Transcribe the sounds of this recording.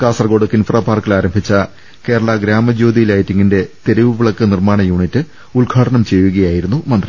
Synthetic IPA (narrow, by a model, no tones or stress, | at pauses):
kaːsɐrɡo̞ːɖɨkːinfraːpaːrkilaːɾɐmbʱit͡ɕːɐ | ke̞ːɾɐɭɐɡɾaːmɐd͡ʑoːd̪ijilaːjitːiŋːinde̞t̪e̞ɾiʋɨʋiɭɐkːɨnirmaːɳɐjuːɳitːɨ | ulɡʱaːʈɐɳɐmt͡ɕe̞jːuɣɐjaːjiɾunːumɐnd̪ri